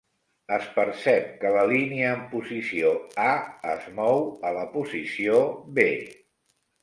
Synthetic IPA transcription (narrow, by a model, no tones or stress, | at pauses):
əspəɾsɛp̚kələliniəːmpuzisioaəzmɔwələpuzisiobe